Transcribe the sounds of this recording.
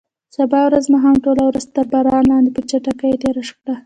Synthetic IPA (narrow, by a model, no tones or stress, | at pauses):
sabɑwɾazmaɦɑmʈolawɾazt̪əɾbɑɾɑnlɑnd̪epət͡ʃaʈakajeʈ̪eɾaʂxɽa